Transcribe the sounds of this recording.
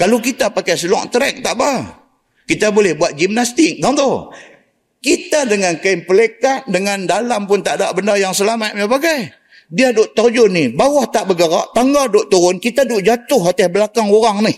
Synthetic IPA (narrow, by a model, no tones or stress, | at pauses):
kalukit̪apakajsəlɔ̰ʔt̪əɾɛk̚t̪aʔba | kit̪abolɛhbuat̪̚d͡ʒimnast̪ɪk̚d̪aŋt̪u | kit̪adəŋankaimpəlekaʔ̚dəŋandalampʊnt̪aʔda̰ʔbəndajaŋsəlamat̪̚mapaɡaj | diadʊʔt̪ad͡ʒʊnɪbawaht̪aʔbəɡəɾa̰ʔt̪aŋɡadʊʔt̪uɾʊnkit̪adʊʔd͡ʒat̪ʊhat̪ɛhbəlakaŋoɾaŋnɪh